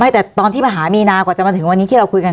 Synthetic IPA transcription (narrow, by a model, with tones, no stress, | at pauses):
ma˦˥˩jt̪ɛː˨˩t̪ɔː˧nʰiː˥˩maː˧˩ɦaː˩˦miː˧naː˧kwaː˨˩t͡ɕa˨˩maː˧t̪ʰɯ˨˩˦ŋwa˧nːi˦˥iː˥˩ɾa˧wku˧jka˧